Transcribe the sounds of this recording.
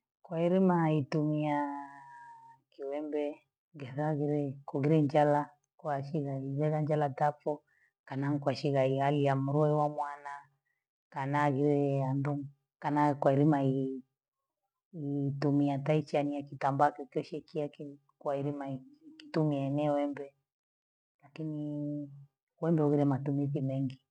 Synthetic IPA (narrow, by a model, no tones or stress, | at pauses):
kwaiɾimaitumia | kiwɛmbɛ | ŋɡɛðaɣiɾɛkuɣiɾɛɲd͡ʒala | kwaʃiɣaiβɛɣand͡ʒalatapɔ | kanaŋ̩kwaʃiɣaialiamuɾɔɛwamwana | kanaɣiɾɛanduŋ | kanakwaiɾimai | itumiatait͡ʃaniakitambakɔkiɔʃɛkiaki | kwaiɾimaikitumianɛwɛmbɛ | lakini | wɛmbɛuɣiɾɛmatumiθimɛŋɡi